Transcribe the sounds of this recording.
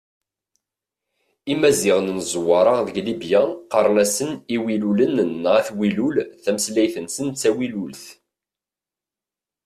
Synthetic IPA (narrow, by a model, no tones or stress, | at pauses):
imːæzɪʁnnzˤwɑɾˤɑðəɡlibjaqɑɾˤnæsəniwilulənnːʁæθwilulθæməslæjθənsənt͡sːæwilulθ